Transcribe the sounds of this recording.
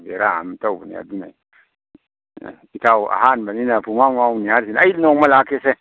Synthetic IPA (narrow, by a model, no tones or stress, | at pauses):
beɾaa̰mtawbunḭa̰d̪una̰i | itauʔa̰hanbaninafumaŋauniaɾsinailnoŋmalakese